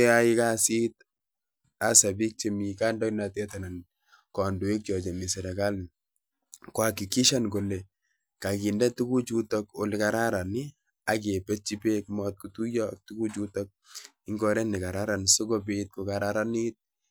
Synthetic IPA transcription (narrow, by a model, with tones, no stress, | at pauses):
e˦a˦i˦ka˦si˦t | a˦sa˨bi˦k̚t͡ʃe˦mi˨ka˦ndɔ˦na˨tɛ˦ta˨na˨n | kɔ˨ndu˨e˦k̚t͡ʃɔ˨t͡ʃe˨mi˨sɛ˨ɾɛ˨ka˦ln | kwa˨ki˨ki˦ʃa˦nko˨le˨ | ka˨ki˨ndɛ˦tu˦ku˦t͡ʃu˦tɔko˨lɪ˨ka˨ɾa˦ɾa˨ni˦ | a˨ke˨pɛ˦t͡ʃi˦pe˦kmɔt̪̚kutu˦jɔk̚tu˦ku˦t͡ʃu˦tɔk̚ | ɪ˦ŋɡɔ˦ɾɛ˦nɪ˨ka˨ɾa˦ɾa˨nsʊ˦kɔ˦bit̚ku˨kaɾaɾanit̚